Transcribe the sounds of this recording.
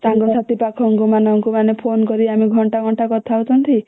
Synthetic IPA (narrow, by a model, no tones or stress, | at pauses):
saŋɡɔsat̪ipakʰɔŋkumanɔŋkumanepʰonkɔɾiamiɡʱɔɳʈaɡʱɔɳʈakɔt̪ʰaot̪ʰɔnt̪ʰi